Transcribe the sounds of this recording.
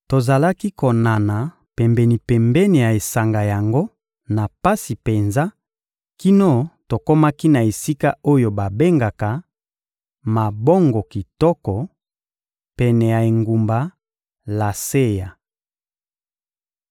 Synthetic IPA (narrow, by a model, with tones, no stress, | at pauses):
to˨za˨la˦ki˦ko˨na˨na˨ | pɛ˨mbɛ˨ni˨pɛ˨mbɛ˦ni˨ja˨e˨sa˨ŋɡa˨ja˨ŋɡo˦ | na˨pa˦si˨pe˨nza˦ | ki˦no˦to˨ko˦ma˦ki˦na˨e˨si˦ka˦o˦jo˨ba˨be˦ŋɡa˨ka˨ | ma˨bɔ˦ŋɡɔ˨ki˨tɔ˦kɔ˨ | pɛ˨nɛ˨ja˨e˨ŋɡu˨mba˨ | la˨se˦ja˨